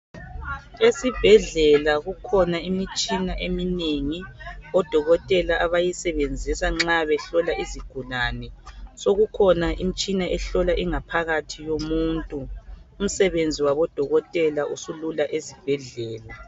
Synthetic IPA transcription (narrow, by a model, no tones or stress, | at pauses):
esib̥ʱɛɮɛlaɣukʰɔnaimit͡ʃʼinaʔemineŋiɔd̥ʱɔɣɔtʼɛlaʔaβajisɛβend͡zʱisaŋ͡ǁaβɛɬɔlaʔiziɡ̥ʱulaːnɛsoɣukʰɔnaʔimit͡ʃʼinaʔɛɬɔlaʔiŋapʰaɣatʰijomuːntʼuːm̩sɛβend͡zʱiwaβɔd̥ʱɔɣɔtʼɛlausululaʔezib̥ʱɛɮɛːla